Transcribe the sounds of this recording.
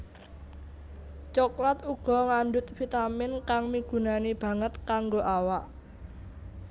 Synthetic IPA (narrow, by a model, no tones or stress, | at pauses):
t͡ʃɔklat̪uɡ̥ɔ̤ŋaɳdʊt̪̚fit̪amɪnkaŋmiɡ̥ṳnanib̥ä̤ŋət̪kaŋɡoʔawaʔ